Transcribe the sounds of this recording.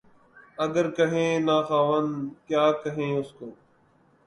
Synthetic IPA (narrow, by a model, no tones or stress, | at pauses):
əɡəɾkəɦẽːnaːxaːʋənkjaːkəɦẽːʊskoː